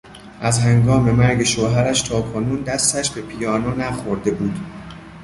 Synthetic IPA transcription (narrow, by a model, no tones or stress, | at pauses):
ʔæzhæŋɡɒːme̞mæɾɟe̞ʃoːɦæɾæʃt̪ʰɒːkʰonuːnd̪æst̪æʃbe̞pʰijɒːnoːnæxoɾd̪e̞buːd̪̥